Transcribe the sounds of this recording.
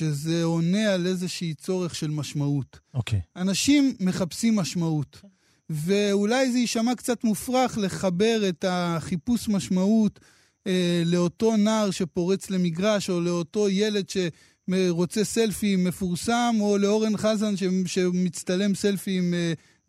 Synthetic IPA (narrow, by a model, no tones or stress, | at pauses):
ʃe̞ze̞o̞ne̞ale̞zeʃiːt͡so̞ʁe̞χʃe̞lmaʃmautokeanaʃimːe̞χapsimːaʃmaut | ve̞ulajzeiʃamakt͡satmufʁaχle̞χabe̞ʁe̞taχipusmaʃmaut | ele̞o̞to̞naːʁʃe̞po̞ʁet͡sle̞miɡʁaʃo̞le̞o̞to̞je̞le̞dʃe̞ | ʁo̞t͡se̞se̞lfime̞fuʁsamo̞leo̞ʁe̞nχazanʃeʃe̞mit͡st̪ale̞mse̞lfime